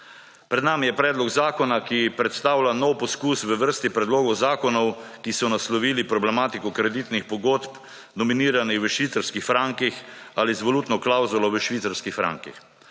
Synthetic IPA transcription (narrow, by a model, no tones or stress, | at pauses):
pɾɛd̪namijɛpɾɛːd̪lɔɡzaːkɔnakipɾɛt̪st̪aːwlʲanɔwpɔskuːsʋəʋəɾst̪ipɾɛd̪loːɡɔwzaːkɔnɔwkisɔnaslɔʋiːlipɾɔblɛmaːt̪ikɔkɾɛd̪it̪nixpɔɡoːt̪p | d̪ɔminiːɾanixʋəʃʋit̪saɾskixfɾaŋkixalizʋoluːt̪nɔklawzulɔʋəʃʋit̪saɾskixfɾa̰ŋkḭx